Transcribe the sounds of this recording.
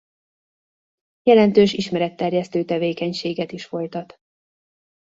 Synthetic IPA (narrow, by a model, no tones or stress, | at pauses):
jɛlɛnt̪øːʃiʃmɛɾɛt̪ːɛrjɛst̪øːt̪ɛveːkɛɲʃeːɡɛt̪iʃfo̞jt̪ɒt̪